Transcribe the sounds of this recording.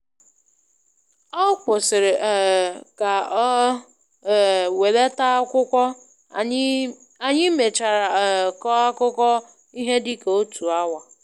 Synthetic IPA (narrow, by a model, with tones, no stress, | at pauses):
ɔ˦kʷʊ˨sɪ˨ɾɪ˨ka˨˦˨ | we˨le˦ta˦kʷʊ˦kʷɔ˦ | a˨ɲɪ˦me˨t͡ʃa˨ɾa˨kɔ˦a˦kʊ˦kɔ˦ | i˦ɦe˦dɪ˦ko˨o˦tʰu˨a˦wa˨